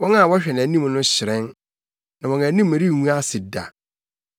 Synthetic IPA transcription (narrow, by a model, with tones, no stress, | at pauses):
wɔ̃˦ŋã˦˨wɔ˦ɕᶣɛ˨nã˨˦nĩ˦m˨nʊ̃˦ɕɪ˨ɾɛ̃˦n | nã˨wɔ̃˨ŋã˨˦nĩ˦mː˨æ̃˨ɾi˦˨ŋũ˦a˦sɪ˨da̰˨